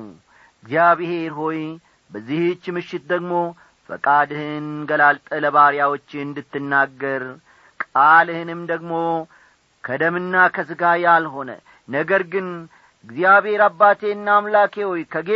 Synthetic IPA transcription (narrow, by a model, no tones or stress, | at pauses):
ɨɡzijaβihe̞ɾɦo̞j | bəzːiht͡ʃːmɨʃːɪt̪̚d̪əɡmo̞ | fə̰kʼad̪ɨhɨnɡəlalt̪ʼələβaɾjawo̞t͡ʃːɪɨnd̪ɨt̪ːɨnːaɡːəɾ | kʼalɨhɨnɨmd̪əɡmo̞ | kʰəd̪əmɨnːakʰəsɨɡajalɦo̞nə̰ | nəɡəɾɡɨn | ɨɡzijaβhe̞ɾabːat̪ʰe̞ɨnːaːmlakʰewo̞jkʰəɡe